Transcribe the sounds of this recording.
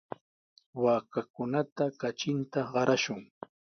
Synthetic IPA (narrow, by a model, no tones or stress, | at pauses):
waːkakʊnat̪akat͡ʃɪnt̪aɢɑɾaʃʊŋ